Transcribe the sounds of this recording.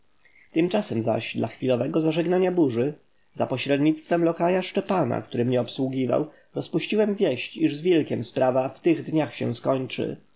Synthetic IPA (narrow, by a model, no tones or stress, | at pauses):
t̪ɘmt͡ʂasɛmza̰ɕd̪laxfʲilɔvɛɡɔzaʐɛɡnaɲabuʐɘ | z̥apɔɕɾɛd̪ɲit̪st̪fɛmlɔkajaʂt͡ʂɛpana̰k̚t̪uɾɘmɲɛɔpswuɡʲiva̰w | ɾɔspuɕt͡ɕiwɛmvʲjɛɕt͡ɕiʐzvʲjɛlkʲɛmspɾavaft̪ɘɣd̪ɲaxɕɛ̰w̃skɔɲt͡ʂɘ̰